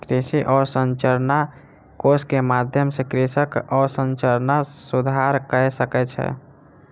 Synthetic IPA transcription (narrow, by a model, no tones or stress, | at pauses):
kɾiʃiʔɔːɾsənt͡ʃəɾna | koskemad̪ʱjəmsekɾiʃəkɔːɾsə̃nt͡ʃəɾnasud̪ʱaɾkəsəkɛt͡ʃʰɛ̰